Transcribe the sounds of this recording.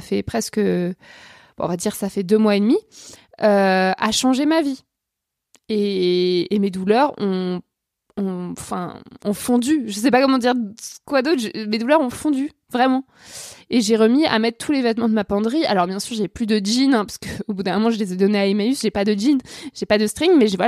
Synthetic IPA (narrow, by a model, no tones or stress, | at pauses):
afɛpχɛskə | b̥̰̃ɔ̰̃vad̪iʁsafɛd̪ømwaed̪miøaʃɑ̃ʒemavi | eː | med̪ulœʁɔ̃ | ɔ̃fɛ̰̃ɔ̃fɔ̃d̪yʒəs̬ɛpakɔmɑ̃d̪iʁkwad̪ot̪χʒmed̪ulœʁɔ̃fɔ̃d̪y | vʁɛmɑ̃ | eʒeʁəmia̰mɛt̪χt̪ulevɛt̪mɑ̃d̪əmapɑ̃d̪ʁia̰lɔʁbjɛ̃syʁʒeplyd̪əʒinɛ̃pḁskəobud̪ɛ̃mɔmɑ̃ʒəlezɛd̪ɔneaimaysʒepad̪əʒinʒ̥epad̪əst̪χiŋmɛʒevwa